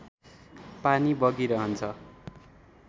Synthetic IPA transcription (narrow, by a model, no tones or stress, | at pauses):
panibʌɡiɾʌɦʌnt͡sʰʌ